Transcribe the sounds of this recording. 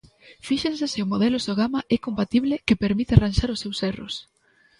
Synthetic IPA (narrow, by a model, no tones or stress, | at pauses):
fiʃensɪsɪʊmoðɛlʊsoɣamaʔɛkompat̪iβlɪkepeɾmit̪ɪaranʃaɾʊsːewsɛrʊ̰s